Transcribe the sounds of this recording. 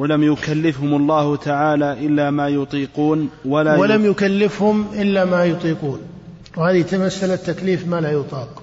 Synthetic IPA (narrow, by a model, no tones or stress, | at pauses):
walamjʊkalːɪfhʊmɑlˤːɑːhʊt̪ʰaʕaːlaːʔɪlːaːmaːjʊt̪ˤiːquːnwalaːwalamjʊkalːɪfhʊmʔɪlːamaːjʊt̪ˤiːquːn | whaːðit̪amasːalat̪ːakliːfmaːlajʊt̪ˤɑːq